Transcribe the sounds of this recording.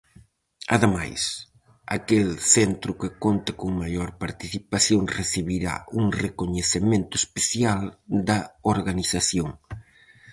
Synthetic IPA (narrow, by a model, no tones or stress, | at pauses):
aðema̰js | a̰kelθent̪ɾʊkɪkont̪ɐkoŋmaʎoɾpaɾt̪iθipaθjoŋreθiβiɾa̰uŋrekoɲeθemẽnt̪ʊespeθjald̪ɐoɾɣaniθaθjoŋ